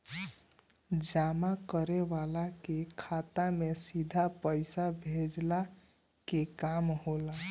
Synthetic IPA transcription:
d͡ʒamakəɾeβalakekʰat̪amesid̪ʱapəjsabʱed͡ʒla | kekamɦola

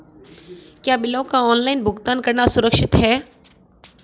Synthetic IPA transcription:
kjaːbɪlõkaɔːnlaːɪnbʱʊɡt̪aːnkɐɾnasʊɾəkʃɪt̪ɦɛː

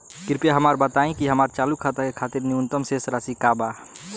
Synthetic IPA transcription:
kiɾpjaɦəmaɾbət̪aĩkiɦəmaɾt͡ʃalukʰːat̪akekʰat̪iɾniunt̪əmsesɾasikaba

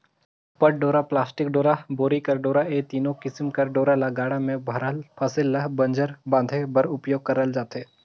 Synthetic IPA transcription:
pɐʈ̚ɖoːɾaplaːsʈɪk̚ɖoːɾaboːɾikɐɾɖoːɾaeːt̪iːnõkɪsmkɐɾɖoːɾalaɡaːɽamẽbʱɐɾəlpʰɐsɪlːɐɦbɐ̃nd͡ʒəɾbãːd̪ʱebɐɾʊpjoːɡ̚kɐɾəld͡ʒaːt̪eː

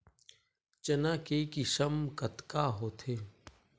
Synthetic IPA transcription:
t͡ʃənãːkeːkiʃəmkət̪kaːɦoːt̪ʰeː

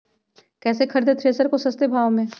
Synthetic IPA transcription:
kɛːsekʰɐɾd̪et̪ʰɾeːsəɾkosɐst̪ebʱaːʋmẽː

